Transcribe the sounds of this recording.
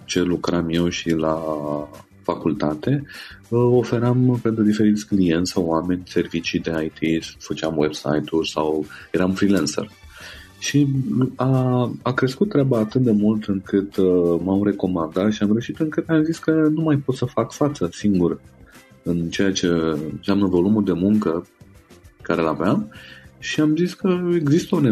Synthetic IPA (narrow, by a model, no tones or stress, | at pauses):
t͡ʃe̞lukɾamje̞wʃila | fakult̪at̪e̞ | o̞fe̞ɾampe̞nt̪ɾud̪ife̞ɾit̪sʲklije̞nt̪ʲsawoame̞nʲse̞rvit͡ʃid̪e̞ajt̪ʰisfət͡ʃamwebsa̰jt̪urʲsawjeɾamfɾilansə̰r | ʃiaakɾe̞skut̪ːɾeabaːt̪ɨt̪̚d̪e̞mult̪ɨŋkɨt̪mamre̞ko̞mand̪at̪ʃiamɾewʃit̪ɨŋkɨt̪amziskənumajpot̪səfakfat̪səsiŋɡur | ɨnt͡ʃe̞jat͡ʃe̞nsamnəvo̞lumuld̪e̞muŋkə | ekaɾe̞lavamʃiamziskəe̞ɡzist̪əone